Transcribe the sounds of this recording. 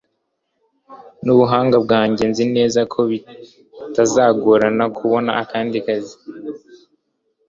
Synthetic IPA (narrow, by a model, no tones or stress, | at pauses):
nuβuɦaːŋɡabɡaːɲɟe̞nzine̞ːzakʰo̞βi | tazaːɡoɾanakʰuβo̞na̰akaːndikazi